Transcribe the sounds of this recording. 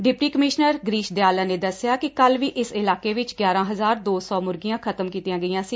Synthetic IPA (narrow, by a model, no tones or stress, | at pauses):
ɖɪpʈiːkəmɪʃnəɾɡɾiːʃd̪ɪjaːlaːneːd̪əsɪjaːkɪkəlʋiːʔɪsɪlaːkeːʋɪt͡ʃɡjaːɾãːɦəzaːɾd̪oːsɔːmʊɾɡijãːkʰət̪əmkiːt̪ijãːɡəijãːsiː